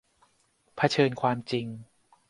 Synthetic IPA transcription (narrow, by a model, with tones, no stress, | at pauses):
pʰa˧t͡ɕʰɤː˧nkʰwaː˧mt͡ɕi˧ŋ